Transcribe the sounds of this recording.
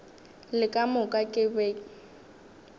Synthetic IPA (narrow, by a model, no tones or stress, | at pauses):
lɪkʼamʊkʼakʼɪbɛːk